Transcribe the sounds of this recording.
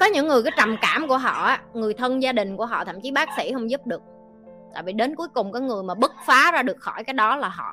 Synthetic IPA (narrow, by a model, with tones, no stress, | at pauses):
kɔ˨˦ɲɨ̰˧˥ŋːɨ˨˩əkaː˨˦jt͡ɕa˨˩mkaː˧˩mku˧˩əɦɔ̰˧˨ʔaː˨˦ŋɨ˨˩əjt̪ʰə˧nzaː˧ɗï˨˩ŋ̟ku˧˩əɦɔ̰˧˨t̪ʰə̰˧˨mt͡ɕi˨˦ɓaː˦˥k̚sḭ˧˥hə˧wŋ͡mzu˦˥p̚ɗɨ˨˩ək̚ | t̪a̰ː˧˨jvḭ˧˨ɗe˨˦nku˨˦jkʊ˨˩ŋ͡mkɔ˨˦jŋɨ˨˩əjmaː˨˩ɓɨ˦˥k̚faː˨˦zaː˧ɗɨ˨˩ək̚xɔ˧˩jkaː˨˦jɗɔ˨˦laː˨˩ɦɔ̰˧˨